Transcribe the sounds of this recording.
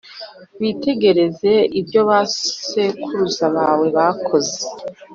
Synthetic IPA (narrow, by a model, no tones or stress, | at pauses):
βite̞ɡe̞ɾe̞ze̞ibjo̞βase̞kʰuɾuzaβaːwe̞βakʰo̞ze